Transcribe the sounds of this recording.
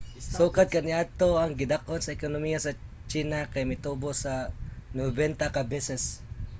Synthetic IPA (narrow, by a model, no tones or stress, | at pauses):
suːkad̪̚kanɪad̪̚t̪oaŋɡɪd̪ak̚onsɐɛkonʊmijasɐ | t͡ʃiːnakajmejt̪ubosanobɛnt̪akabɛsɛs